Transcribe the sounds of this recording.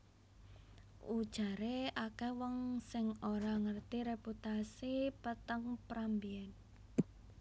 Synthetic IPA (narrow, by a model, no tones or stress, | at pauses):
ʔud̥ʒ̥a̤ɾeakɛwɔŋsɪŋoɾaŋərt̪iɾeput̪asipət̪əŋpɾambiɛn